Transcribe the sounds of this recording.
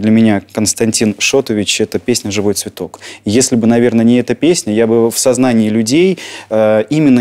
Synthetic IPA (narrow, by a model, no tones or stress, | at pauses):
d̪lʲəmʲɪnʲakənst̪ɐnʲtʲinʂo̞t̪əvʲɪt͡ɕɛt̪əpʲesʲnʲəʐɨvo̞jt̪svʲɪt̪o̞kjesʲlʲɪbɨnɐvʲe̞rnənʲɪɛt̪əpʲesʲnʲəjabɨfsɐznanʲɪːlʲʉdʲejəimʲɪnːə